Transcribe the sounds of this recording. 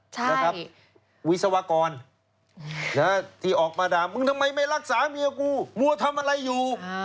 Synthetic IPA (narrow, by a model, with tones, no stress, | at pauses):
t͡ɕʰna˧kʰa˦˥p̚ | wi˦˥t̪̚sa˧wa˧kɔː˧n | na˦˥t̪ʰiː˧˩ʔɔː˨˩k̚maː˧daː˧mːɯ˧ŋt̪ʰa˧mːa˧jma˥˩jɾa˦˥k̚saː˩˦mi˧a˧kuː˧˥˩mu˧ɐt̪ʰa˧mʔa˧ɾa˧jːuː˨˩